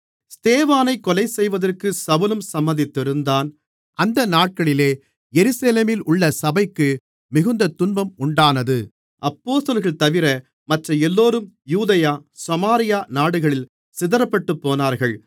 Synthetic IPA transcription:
st̪eːʋaːnɐɪkːɔlɐɪsɛjʋɐðɐrkɯsɐʋɯlɯmsɐmːɐnd̪ɪt̪ːɪɾɯnd̪aːn | ʔɐnd̪ɐnaːʈ̚kɐɭɪleː | jɛɾɯseleːmɪlʊɭːɐsɐbɐɪkːɯ | mɪɣɯnd̪ɐt̪ʊnbɐmʊɳɖaːnɐðɯ | ʔɐpːoːst̪ɐlɣɐɭt̪ɐʋɪɾɐ | mɐʈrɐɛlːoːɾɯmjuːðɐjaːsɐmaːɾɪjaːnaːɽɯɣɐɭɪl | sɪðɐɾɐpːɐʈːɯpːoːnaːɾɣɐɭ

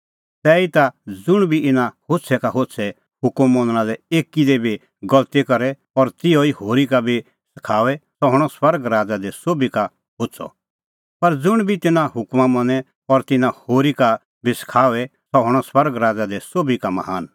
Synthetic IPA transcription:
sɛːit̪ad͡zʊɽ̃bʱiɪnãhosʰɛkaɦotsʰɛ | hʊkmːɔ̃nɽ̃ãlɛeːkid̪ɛbʱi | ɡɐlt̪ikɐɾɛ | ɔːɾt̪ɪjɔihoːɾikabʱi | sɪ̥kʰaːʋɛsɔɦʊɽ̃ɔswɐɾɡɾaːd͡zad̪ɛsoːbika | ɦosʰɔ̰ | pɐɾd͡zʊɽ̃bʱit̪ɪnãɦʊkmamɐ̃nɛ | ɔɾt̪ɪnãhoːɾika | bʱisɪ̥kʰaːʋɛsɔɦʊɽ̃ɔswɐɾɡɾaːd͡zad̪ɛsoːbikamɐ̰ɦaːn

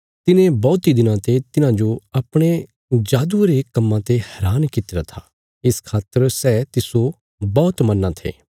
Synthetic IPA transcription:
t̪ɪnẽbɔːt̪id̪ɪnãt̪et̪ɪnãd͡ʒoɐpɽ̃e | d͡ʒaːd̪uɾeːkɐmːãt̪ehɛɾaːnkɪt̪ːɾɐt̪ʰaː | ɪskʰaːt̪ːəɾsɛːt̪ɪso | bɔːt̪mɐnãt̪ʰḛː

